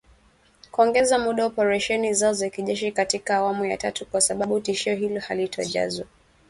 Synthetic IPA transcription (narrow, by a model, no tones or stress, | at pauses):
kuɔŋɡɛzamuɗauɔpɛɾaʃɛnizaɔzakiʄɛʃikatikaːwamuja̰tatukwasaɓaɓutiʃiɔɦilɔhalitʰɔ̰ʄa̰zwa